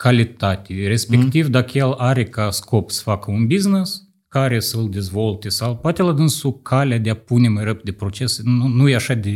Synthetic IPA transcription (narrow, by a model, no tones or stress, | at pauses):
kalʲit̪at̪ʲeɾe̞spekt̪ivd̪akəjelaɾe̞kasko̞psə̥fakəunbiznes | kaɾe̞səɨld̪ʲe̞zvo̞lt̪esawpoat̪elad̪ɨnsukʰalʲead̪ʲeapune̞majrəp̚d̪e̞pɾo̞t͡ʃeseunujeaʃad̪e